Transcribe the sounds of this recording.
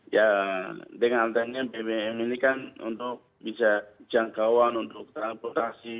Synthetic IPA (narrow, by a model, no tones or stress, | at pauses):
ja | dɛŋant̪anɲabɛɛɛmɛnikanṵnt̪ʊk̚bisad͡ʒaŋkawanunt̪ʊk̚t̪alpɔt̪asi